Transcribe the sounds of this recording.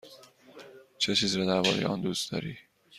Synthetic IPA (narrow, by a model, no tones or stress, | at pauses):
t͡ʃʰet͡ʃʰiːzɾɒːd̪æɾbɒ̰ːɾejḛʔɒːnd̪uːst̪d̪ɒ̰ːɾiː